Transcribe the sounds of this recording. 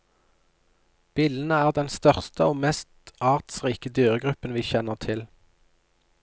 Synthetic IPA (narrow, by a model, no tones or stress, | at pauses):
b̥iːln̩əæːʁd̪ɛnst̪œʁst̪əoːmɛst̪ɑːʁt̪sʁiːkəd̪yːʁəɡʁʉpənʋiːçɛnəʁt̪ʰɪl